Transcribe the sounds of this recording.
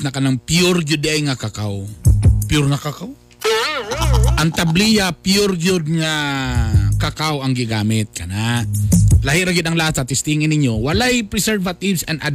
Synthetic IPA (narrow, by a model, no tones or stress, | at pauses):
nɐkɐnaŋpjʊɾd͡ʒʊd̪ʔɐjŋɐkakawpjʊɾŋɐkakaw | ʔɐŋt̪ɐblijɐpjʊɾd͡ʒʊd̪̚ŋa | kakawɐŋɡɪɡaːmɪt̪̚kɐnaʔlahɪɾɐɡɪd̪ɐŋlahat̪sɐt̪ɪst̪iŋɪnɪɲːowɐlajpɾɛsɛɾvɐt̪ɪbsɐnad̪